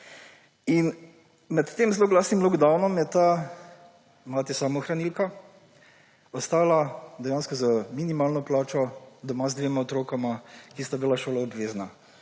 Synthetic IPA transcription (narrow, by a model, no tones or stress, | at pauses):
in | mɛt̪ːeːmzloːɡlaːsnimlɔɡd̪awnɔmjɛt̪a | maːt̪ɛsamɔxɾanilka | ɔst̪aːlad̪ɛjanskɔzaminimaːlnɔplaːt͡ʃɔd̪ɔmazd̪ʋeːmaɔt̪ɾoːkamakist̪abilaʃoːlaobʋeːzna